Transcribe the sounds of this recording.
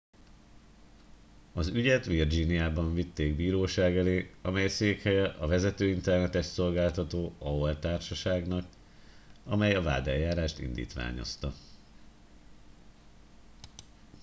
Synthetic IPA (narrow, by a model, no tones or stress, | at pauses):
ɒzyɟɛt̪ʋird͡ʒinijaːbɒɱvit̪ːeːɡbiːɾoːʃaːɡɛleːɒmɛjseːkhɛjɛʔɒvɛzɛt̪øːint̪ɛrnɛt̪ɛʃso̞lɡaːlt̪ɒt̪oːɒwɛlt̪aːrʃɒʃaːɡnɒk | ɒmɛjɒva̰ːd̪ɛljːaːɾaːʃt̪ḭnd̪ḭːt̪ʋa̰ːɲo̞̰st̪ɒ